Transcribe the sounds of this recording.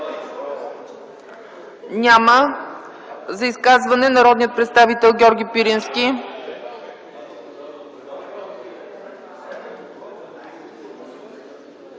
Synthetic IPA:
nʲamə | zɐiskazvɐnɛnɐɾɔd̪nijət̪̚pɾɛt̪st̪avit̪ɛlˠɡʲɔɾɡʲipiɾinskʲi

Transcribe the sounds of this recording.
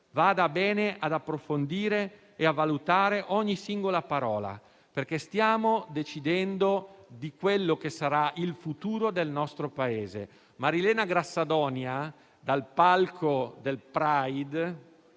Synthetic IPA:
vaːd̪abɛːneʔad̪apːɾofond̪iːɾe | eavːalut̪aːɾeʔɔɲːisiŋɡolapaɾɔːla̰ | perkest̪jaːmod̪et͡ʃid̪ɛnd̪od̪ikwelːokesaɾailfut̪uːɾod̪elnɔst̪ɾopaeːzḛ | maɾilɛːnaɡɾasːad̪ɔnja | d̪alpalkʰod̪elpɾajd̪

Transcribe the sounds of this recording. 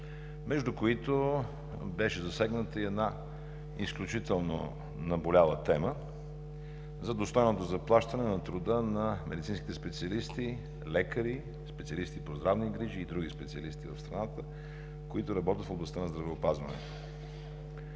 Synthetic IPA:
mɛʒd̪ʊkoit̪o | bɛʃɛzɐsɛɡnət̪əiɛd̪na | isklʲut͡ʃit̪ɛlˠno̰ | nɐbolʲalˠət̪ɛmə | zɐd̪ost̪ɔjnot̪ozɐplˠaʃt̪ɐnɛnɐt̪ɾʊd̪ənɐmɛd̪it̪sinskit̪ɛspɛt̪siɐlist̪i | lɛkəɾi | spɛt̪siɐlist̪ipozd̪ɾavniɡɾiʒiːd̪ɾuɡʲispɛt̪siəlist̪ivɐfst̪ɾɐnat̪ə | koit̪oɾɐbɔt̪ət̪foblˠɐst̪anɐzd̪ɾɐvɛopazvɐ̰nɛ̰t̪o

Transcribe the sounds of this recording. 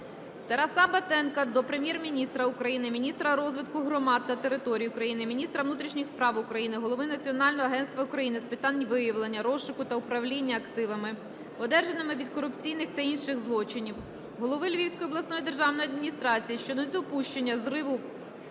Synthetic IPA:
t̪ɐɾɐsɑbɐt̪ɛnkɐd̪ɔpɾemʲjɛrmʲinʲist̪ɾɐʊkɾɐjinɪmʲinʲist̪ɾɐɾɔzʋɪt̪kʊɦɾɔmɑd̪̚ːɐt̪e̞ɾɪt̪ɔɾʲijʊkɾɐjinɪmʲinʲist̪ɾɐʋnut̪ɾʲiʃnʲixspɾɑʋʊkɾɐjinɪɦɔlˠɔʋɪnɐt͡sʲiɔnɑlʲnɔɦɔɐɦɛnst̪ʋɐʊkɾɐjinɪspɪt̪ɑnʲʋɪjɐʋlˠenʲːɐɾɔʃʊkʊt̪ɐʊpɾɐʋlʲinʲːɐːkt̪ɪʋɐmɪ | ɔd̪ɛrʒɐnɪmɪʋʲid̪kɔɾʊpt͡sʲijnɪxt̪ɐinʃɪɣzlˠɔt͡ʃɪnʲiw | ɦɔlˠɔʋɪlʲʋʲiwsʲkɔjiɔblˠɐsnɔjid̪e̞rʒɑwnɔjɐd̪mʲinʲist̪ɾɑt͡sʲijiʃt͡ʃɔnʲd̪ɔpuʃt͡ʃenʲːɐzrɪʋʊ

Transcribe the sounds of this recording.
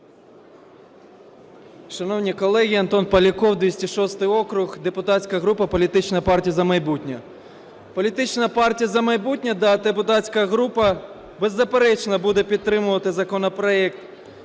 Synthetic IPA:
ʂɐnɔwnʲijkɔlˠɛɣʲiɐnt̪ɔnpɐlʲikɔwd̪ʲisʲtʲiʃɔst̪ɪjɔkɾʊɣd̪ɛpʊt̪atʲsʲkɐɣɾupɐpɔlʲit̪ɪt͡ʃnɐjɐpɑrtʲijɐzɐmɐjbutʲnʲɐ | pɔlʲit̪ɪt͡ʃnɐpɑrtʲijɐzɐmɐjbut̚ʲnʲɐd̪ɐd̪epʊt̪atʲsʲkɐɐɣɾupɐ | bɛzːɐpeɾɛt͡ʃnɐbud̪ɛpʲid̪t̪ːɾɪmʊʋɐt̪ɪzɐkɔnɐpɾɐɛk̚t̪

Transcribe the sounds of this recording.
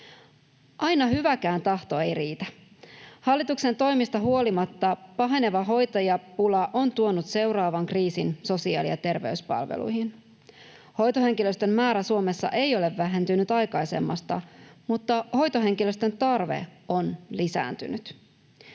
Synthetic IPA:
ʔɑjnɑɦyʋækæːnt̪ɑht̪o̞e̞jriːt̪æ | hɑlːit̪ukse̞nt̪o̞jmist̪ɑɦuo̞limɑt̪ːɑpɑɦe̞ne̞ʋɑɦo̞jt̪ɑjɑpulɑʔo̞nt̪uo̞nut̪se̞wɾɑːʋɑŋkriːsinso̞siɑ̰ːlijɑt̪e̞rʋe̞yspɑ̰lʋḛlṵjhin | ho̞jt̪oɦe̞ŋk̟iløst̪ø̞mːæːɾæsuo̞me̞sːɑ̰ʔe̞jo̞leʋːæɦe̞nt̪ynyt̪ɑjkɑjse̞̰mːɑ̰st̪ɑ̰mut̪ːɑho̞jt̪oɦe̞ŋkiløst̪ø̞nt̪ɑrʋḛo̞nlisæ̰ːnt̪y̰nyt̪

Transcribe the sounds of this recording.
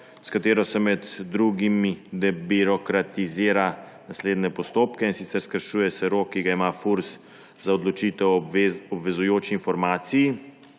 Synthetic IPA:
skat̪eːɾɔsɛmɛd̪ːɾuɡimid̪ɛbiɾɔkɾat̪iziːɾa | nasleːd̪nɛpɔst̪oːpkɛinsit̪sɛɾskəɾʃuːjɛsɛɾoːkːiɡaimaːfuɾs | zaɔd̪lɔt͡ʃiːt̪ɛwɔbʋɛzujoːt͡ʃiːnfɔɾmaːt̪siji

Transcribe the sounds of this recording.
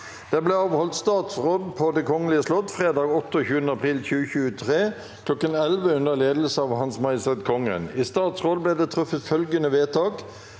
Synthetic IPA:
d̪̥ɛblɛɑːʋhɔlt̪st̪ɑːt̪sʁoːd̪pʰoːd̪ɛkʰɔŋəlɪəslɔt̪fʁeːd̪ɑːɡɔt̪ːəɔçʉːənəɑpʰʁiːlçʉːəçʉːət̪ʰʁeː | kʰlɔkːənɛlʋəʉnəʁleːd̪l̩səɑːʋhɑnsmɑɪsɛt̪kʰɔŋːə̰nist̪ɑːt̪sʁoːd̪blɛːd̪ɛt̪ʰʁʊfːəfœlɡənəʋeːt̪ʰɑːk

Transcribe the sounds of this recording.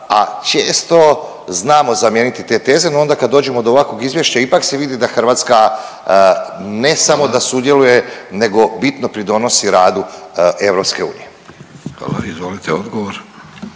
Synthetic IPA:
a̰t͡ʃeːst̪o̞ | znaːmo̞zamjeːnit̪it̪e̞t̪e̞ːze̞noo̞nd̪akad̪ːo̞ːd͡ʑe̞mo̞d̪oʋako̞ɡizʋje̞ʃt͡ɕaipakse̞ʋid̪id̪axr̩ʋaːt̪ska | ne̞samo̞d̪asud̪je̞luje̞ne̞ɡo̞bit̪no̞pɾid̪o̞no̞siɾaːd̪uʔe̞ʋɾo̞pske̞ṵːnḭje̞ | a̰la̰izʋolit̪eod̪ɡoʋoɾ

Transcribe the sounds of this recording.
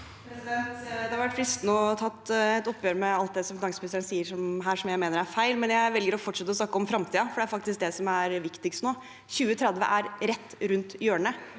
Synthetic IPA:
ɛt̪d̪ɛhɑɾʋæʈfɾɪst̪nɔːt̪ʰɑt̪ːɛt̪ːɔpːjøːɾmɛɑlt̪̚d̪ɛsɔmfɪnɑŋsəpʰlɪsəɾənsiːəʂɔmɦæːʂɔmjæɪmeːnəɾæɾfæɪlmɛnjæɪʋɛlɡəɾɔfɔʈːʂɛt̪ːəɔsnɑkːəɔmfɾɑmt̪ʰiːɑfɔɖɛæɾfɑk̚t̪ɪsk̚d̪ɛsɔmæɾʋɪkt̪ɪkst̪noː | çʉːət̪ʰɾɛd̪ʋə̰ʔæɾɾɛt̪ːɾʉnt̪jøːɳə

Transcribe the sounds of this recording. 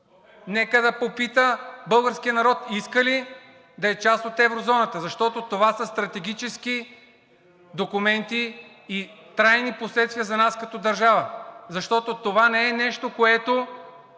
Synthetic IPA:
nɛkəd̪ɐpopit̪əbɤlˠɡəɾsk̟ijənɐɾɔt̪iskəli | d̪ɐɛt͡ʃast̪ot̪ɛvɾozɔnɐt̪əzɐʃt̪ɔt̪ot̪ovasəst̪ɾɐt̪ɛɡ̟ʲit͡ʃɛsk̟i | d̪okʊmɛnt̪iː | t̪ɾajniposlɛt̪st̪viəzɐnaskɐt̪ɔd̪ɐɾʒavəzɐʃt̪ɔt̪ot̪ovanɛɛnɛʃt̪okoɛt̪o

